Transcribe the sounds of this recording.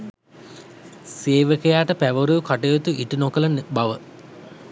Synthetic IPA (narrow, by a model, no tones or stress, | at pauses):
seːʋəkejaːʈəpæʋəɾuʋkaʈejot̪uʔiʈunokələnbaʋə